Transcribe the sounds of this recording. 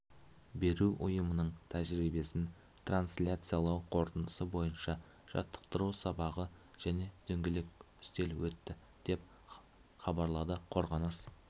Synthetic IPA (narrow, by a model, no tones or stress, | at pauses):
be̞ɾuʔʊjəmənəɴt̪ʰæʒɾibe̞sɪn | t̪ʰranslʲat̪sɨjalˠɑwqʰo̞ɾt̪ənəsəbo̞jənʃɑ | ʒ̥ɑ̰t̪ːə̥qt̪əɾusɑbɑʁəʒ̥æne̞d̪̥ʰɵŋɡʲelek̚ʲʏ̥st̪e̞lwɵt̪ːɪ | d̪̥e̞p̚ | χɑbɑɾlˠɑd̪əqʰo̞ɾʁɑnəs